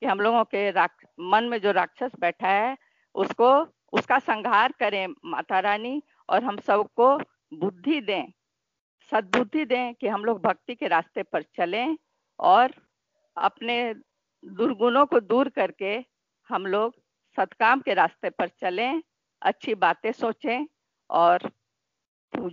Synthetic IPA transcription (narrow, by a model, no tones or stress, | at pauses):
kiɦɐmloːɡõkeɾa | mɐnmẽd͡ʒoːɾaːkʃəsbɛːʈʰaɦɛ | ʊsko | ʊskasə̃ŋɡʱɦaːɾkɐɾẽma̰ːt̪aɾaːni | ɔ̰ːɾɦɐmsəbko | bʊd̪ʱːid̪ẽː | sɐt̪̚bʊd̪ʱːid̪ẽːkiɦɐmloːɡ̚bʱɐk̚t̪ikeɾaːst̪epɐɾt͡ʃɐlẽ | ɔːɾ | ɐ̰pne | d̪ʊɾɡʊnõkod̪uːɾkɐɾke | hɐmloːɡ | sɐt̪ʰkaːmkeɾaːst̪epɐɾt͡ʃɐlẽ | ɐ̰tːʃʰibaːt̪ẽsoːt͡ʃẽ | ɔːɾ | puː